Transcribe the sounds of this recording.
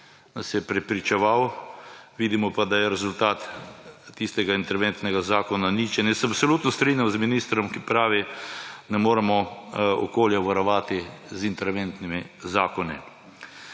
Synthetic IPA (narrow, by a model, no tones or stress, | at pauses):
nasjɛpɾɛpɾit͡ʃɛʋaw | ʋiːd̪imɔpad̪ajɛɾɛzult̪aːt̪ː | ist̪ɛɡaint̪ɛɾʋent̪nɛɡazaːkɔnanit͡ʃɛnjɛsɛapsoluːt̪nɔst̪ɾinjamzminiːst̪ɾɔmkipɾaːʋinɛmoːɾɛmɔɔ̰koːljɛʋaɾɔʋaːt̪izint̪ɛɾʋent̪nimizaːkɔni